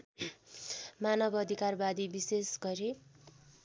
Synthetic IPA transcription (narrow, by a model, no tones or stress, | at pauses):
manʌbʌd̪ʱikarbad̪ibisesɡʌɾi